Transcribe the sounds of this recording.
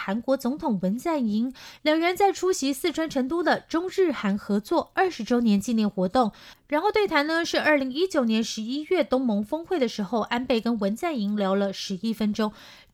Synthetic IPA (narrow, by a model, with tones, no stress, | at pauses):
xa˧˥nkwɔ˧˥t͡sʊ˧˥ŋt̪ʰʊ˨˩ŋwə˧˥nt͡sa˥˩ni˧˥ŋljɑ˨˩ŋɻə˧˥nt͡sa˥˩ɪʈ͡ʂʰu˥ɕi˧˥sɹ̩˥˩ʈ͡ʂʰwa˥nʈ͡ʂʰɤ˧˥ŋt̪u˥d̪ə˨ʈ͡ʂʊ˥ŋɻɻ̩˥˩xa˧˥nxɤ˧˥t͡swɔ˥˩ə˞˥˩ʂɻ̩˧˥ʈ͡ʂo˥ʊnjɛ˧˥nt͡ɕi˥˧nljɛ˥˩nxwɔ˧˥t̪ʊ˥˩ŋɻa˧˥nxo˥˧ʊt̪we˥˩ɪt̪ʰa˧˥nnə˧ʂɻ̩˥˧ə˞˥˩li˧˥ŋi˥t͡ɕjo˨˩ʊnjɛ˧˥nʂɻ̩˧˥i˥ɥɛ˥˩t̪ʊ˥ŋmɤ˧˥ŋfɤ˥ŋxwe˥˩ɪd̪ə˩ʂɻ̩˧˥xo˥˧ʊʔa˥npe˥˩ɪkə˥nwə˧˥nt͡sa˥˩ni˧˥ŋljɑ˧˥ʊlə˧ʂɻ̩˧˥i˥fə˥nʈ͡ʂo˥ŋ